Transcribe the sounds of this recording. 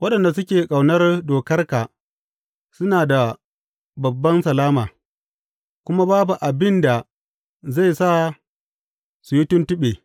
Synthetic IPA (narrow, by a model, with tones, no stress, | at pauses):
wɐ˦ɗɐ˨nda˨sʊ˦kʲeː˨kʼa˨wnɐ˦rdoː˨kɐ˦rkaː˨ | sʊ˦naː˨da˨ | bɐ˨bːɐ˦nsɐ˨laː˦maː˨ | kʷʊ˦ma˦baː˦bu˨ʔa˨bɪ˦nda˨ | za˦˨jsa˦ | su˨jɪ˦tʊ˦ntʊ˦ɓeː˨